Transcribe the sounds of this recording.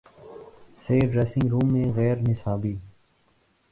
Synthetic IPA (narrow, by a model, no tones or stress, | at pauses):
seːɖɾeːsɪ̃ŋɡɾuːmːẽɣɛːɾnɪsaːbiː